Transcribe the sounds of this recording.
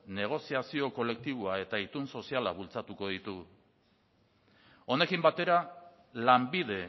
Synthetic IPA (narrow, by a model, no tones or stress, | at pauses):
ne̞ɣ̞o̞siasio̞ko̞le̞k̚t̪iβ̞oae̞t̪ait̪unso̞siala̰βult͡sat̪uko̞ð̞it̪u | o̞ne̞kimbat̪e̞ɾa | lambiðe̞